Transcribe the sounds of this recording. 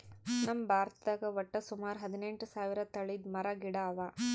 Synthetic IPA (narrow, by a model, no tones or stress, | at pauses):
nɐmbʱaːɾt̪ɐɡɐʋɐʈːɐsumaːɾɦɐd̪ineɳʈusaːʋiɾɐt̪ɐɭid̪mɐɾɐɡiɽaːʋa